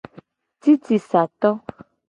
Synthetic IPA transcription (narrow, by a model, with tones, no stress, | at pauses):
t̪i˦t̪i˨sa˨t̪ɔ˦